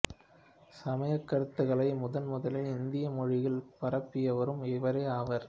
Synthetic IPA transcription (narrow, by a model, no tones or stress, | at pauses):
sɐmɐjɐkːɐɽɯt̪ːɯɣɐɭɐɪmʊðɐnmʊðɐlɪlɪnd̪ɪjɐmɔɻɪɣɪlpɐɾɐpːɪjɐʋɐɾɯmɪʋɐɾeːɐːʋɐɾ